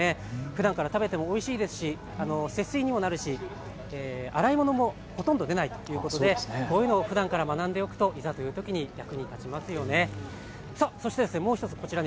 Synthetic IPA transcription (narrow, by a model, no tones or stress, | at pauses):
eɸɯ̟d̪ãŋkaɾat̪abe̞t̪e̞mo̞ːiɕiːd̪e̞sɨ̥ɕi | ano̞se̞sɨiɲ̟imo̞naɾɯ̟ɕi | eːa̰ɾaimo̞no̞mo̞ | ho̞t̪õ̞nd̪o̞d̪e̞nait̪o̥jɯ̟ːko̞t̪o̞d̪e̞koːjɯ̟ːno̞ːɸɯ̟d̪ãŋkaɾamanãnd̪e̞o̞kɯ̟̥t̪o̞ʔizat̪o̞jɯ̟ːt̪o̞kʲiɲ̟iɡʲjakɯ̟ɲ̟it̪at͡ɕimasɨjo̞ne̞ | soso̞ɕi̥t̪ed̪e̞sɨne̞mo̞ːçit̪o̞t͡sɨ̥ko̞t͡ɕiɾaɲ